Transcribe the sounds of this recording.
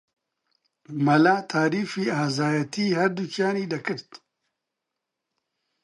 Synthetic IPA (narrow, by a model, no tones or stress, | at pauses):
mɐlaːt̪ʰaːɾiːfiːaːzaːjɐt̪ʰiːhɐɾd̪ut͡ʃaːniːd̪ɐkɨɾt̪